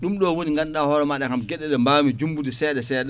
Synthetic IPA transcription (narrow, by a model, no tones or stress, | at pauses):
ɗumɗɔwoniŋɡanɗahɔɾɛmaɗɛkamɡɛɗːɛɗɛmbaːmid͡ʒumbudisɛɗɛsɛːɗ